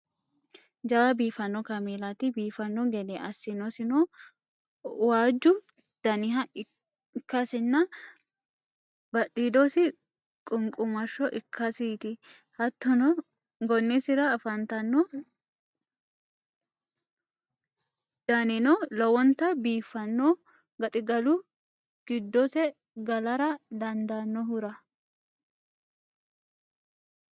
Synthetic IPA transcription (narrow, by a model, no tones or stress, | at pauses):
d͡ʒɐwɐbiːfɐnːɔkɐmeːlɐt̪ɪbiːfɐnːɔɡɛd̪ɛʔɐsːɪnɔsɪnɔ | waːd͡ʒːʊ | d̪̥ɐnɪɦɐ | kːɐsɪnːɐ | bɐt̪ʼːiːd̪ɔsɪ | kʼʊŋkʼʊmɐʃːɔʔɪkʰːɐsiːt̪ɪhɐt̪ːɔnɔ | ɡɔnːɪsɪɾɐːfɐnt̪ɐnːɔ | d̪̥ɐnɪnɔlɔwɔnt̪ːɐbiːfːɐnːo | ɡɐt̪ʼɪɡɐlʊ | ɡ̥ɪd̪ːɔsɛ | ɡɐlɐɾɐd̪ɐnd̪anːɔhʊɾɐ